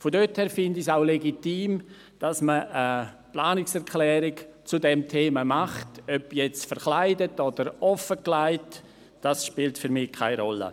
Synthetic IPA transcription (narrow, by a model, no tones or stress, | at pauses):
fodøthɛːɾfɪndɪsaʊleɡitiːm | d̥asməə | plaːnɪksɛɾkʰlɛːɾɪkt͡sudɛmtʰeːmamaχtœpjɛt͡stfəɾχlaɪdətɔd̥əɾɔfəklaɪt | d̥asʃpiːltfyɾmɪkʰa̰ɪɾɔlːə̰